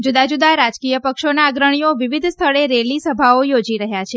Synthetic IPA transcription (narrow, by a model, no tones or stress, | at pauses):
d͡ʒud̪ad͡ʒud̪aɾad͡ʒkijəpəkʃonaːɡɾəɳ̃ioʋiʋid̪ʱst̪ʰəɭeɾelisəbʱaojod͡ʒiɾəɦjat͡ʃʰe